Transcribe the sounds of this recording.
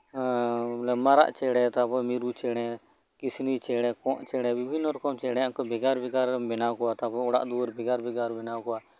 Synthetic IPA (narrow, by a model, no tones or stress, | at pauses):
lɛmaɾa̰ʔt͡ʃɛɽɛt̪apɔmiɾut͡ʃɛɽ̃ɛ | kisnit͡ʃɛɽɛkɔ̃ʔt͡ʃɛɽ̃ɛbibʱinːɔɾɔkɔmt͡ʃɛɽɛakɔbɛɡaɾbɛɡaɾbɛnawkɔwat̪apɔɔɽa̰ʔd̪uɾbɛɡaɾbɛɡaɾbɛnawkɔwa